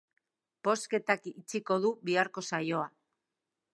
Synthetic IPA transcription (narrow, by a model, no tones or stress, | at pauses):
po̞ske̞t̪akit͡siko̞ðuβiaɾko̞sajo̞a